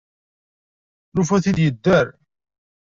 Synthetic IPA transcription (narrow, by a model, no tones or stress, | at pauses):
ɾufæθid̪jəd̪ːæɾ